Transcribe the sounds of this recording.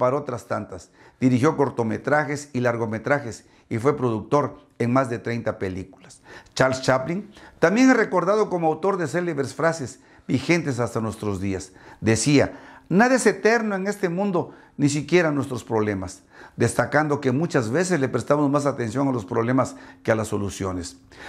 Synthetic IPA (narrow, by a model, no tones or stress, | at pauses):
paɾot̪ɾast̪ant̪as | d̪̥iɾixjo̞ko̞ɾt̪o̞me̞t̪ɾaxe̞silaɾɣo̞me̞t̪ɾaxe̞s | ifwe̞pɾo̞ðuk̚t̪o̞ɾ | e̞ŋmazðe̞t̪ɾejnt̪ape̞likulast͡ʃaɾlst͡ʃapliŋt̪ambje̞ŋare̞ko̞ɾðað̞o̞ko̞moawt̪o̞ɾðes̬eleβɾesfɾasez | bixe̞nt̪es̬ast̪anwest̪ɾozðiasd̪e̞sianaðese̞t̪e̞ɾnoe̞ŋe̞st̪emũnd̪o̞ | nis̬ikje̞ɾanwe̞st̪ɾo̞spɾo̞βle̞mas | d̪e̞st̪akand̪o̞kemut͡ʃazβe̞sezle̞pɾest̪amozmas̬at̪e̞nsjo̞ŋalo̞spɾo̞β̞le̞maskealasːo̞lusjo̞ne̞s